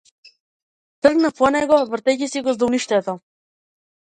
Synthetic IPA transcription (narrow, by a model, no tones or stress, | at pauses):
t̪r̩ɡnapɔnɛɡɔvrt̪ɛcisiɡɔzd̪uniʃt̪ɛt̪ɔ